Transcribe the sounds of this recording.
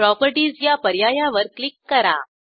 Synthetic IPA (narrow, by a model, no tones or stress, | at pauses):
ɾɔpəɾʈiːzjapəɾjajaʋəɾklikːəɾa̰